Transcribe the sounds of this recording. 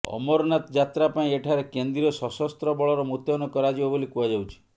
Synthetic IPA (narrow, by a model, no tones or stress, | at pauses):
ɔ̰mɔɾɔnat̪d͡ʒat̪ɾapaĩeʈʰaɾekend̪ɾiɔsɔsɔst̪ɾɔbɔɭɔɾɔmut̪jɔnɔkɔɾad͡ʒibabolikuad͡ʒawt͡ʃʰi̥